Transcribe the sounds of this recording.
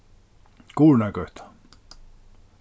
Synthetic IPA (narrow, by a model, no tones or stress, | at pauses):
kuːlnækøst̪æ̥